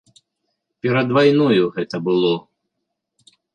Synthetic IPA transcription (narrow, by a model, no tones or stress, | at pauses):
pʲɛɾɐd̪vajnɔjuɣɛt̪ɐbɨlˠɔ